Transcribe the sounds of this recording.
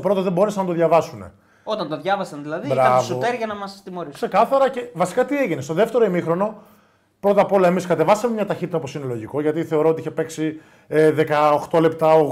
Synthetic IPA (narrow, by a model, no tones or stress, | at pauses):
opɾo̞t̪oðembo̞ɾesenɐt̪oðʝɐvɐsune̞̰ | ot̪ɐnt̪oðʝɐvɐsɐnðilɐðibɾɐvsuoeɾʝɐnɐmɐst̪imo̞ɾikse̞kɐθɐɾɐce̞vɐsi̥kɐt̪ieʝinest̪o̞ðe̞ft̪eɾoimixɾo̞no̞ | pɾo̞t̪ɐpo̞lɐe̞miskɐt̪e̞vɐsɐmemɲɐt̪ɐçit̪it̪ɐopo̞sinelo̞ʝiko̞ʝɐt̪iθe̞o̞ɾo̞ot̪iiçepeksi | ðekɐoxt̪o̞le̞p̚t̪ɐo